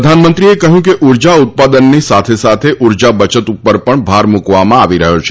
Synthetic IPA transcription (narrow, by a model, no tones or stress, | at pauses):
ɾəd̪ʱanmənt̪ɾiekəɦjũkeʔuɾd͡ʒaʊt̪̚pad̪ənːisat̪ʰesat̪ʰeʔuɾd͡ʒabət͡ʃət̪upːəɾpəɳbʱaɾmukʋamãaʋiɾəɦot͡ʃʰe̥